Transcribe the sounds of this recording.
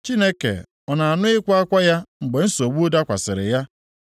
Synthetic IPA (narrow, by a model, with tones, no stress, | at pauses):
t͡ʃi˦ne˦kḛ˨ | ɔ˨na˨a˨nʊ˦ɪ˦kʷa˦a˦kʷa˦ja˦ŋ͡m̩˨ɡ͡be˨n̩˦so˨ɡ͡bu˦da˦kʷa̰˨sɪ˨ɾɪ̰˨ja˦